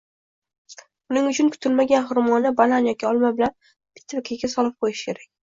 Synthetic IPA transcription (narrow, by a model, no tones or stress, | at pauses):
ʊnɪŋʊt͡ʃʰʊnkʰʊ̥t̪ʰɪlmaɡʲanχʊɾmɒnɪbalanjɒkʲɪɒlˠmabɪlan | pʰɪ̥t̪ʰːavkʲʰeɡʲasɒlˠɪp̚qʰojɪʃɪ̥kʲʰe̞ɾakʲ